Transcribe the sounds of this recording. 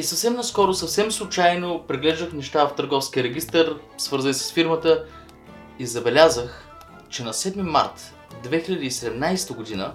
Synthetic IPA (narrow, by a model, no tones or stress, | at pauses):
isɐfsɛmnɐskɔɾʊsɐfsɛmslˠʊt͡ʃajnopɾiɡlɛʒd̪əxnɛʃt̪aft̪əɾɡɔfskʲiəɾɛɡʲist̪əɾ | svɤɾzənisə̥sfiɾmət̪ə | izɐbɛlʲazəx | t͡ʃɛnɐsɛd̪mima̰ɾt̪ | d̪vɛxiʎʲɐd̪iisɛd̪ɛmnajst̪əɡod̪inə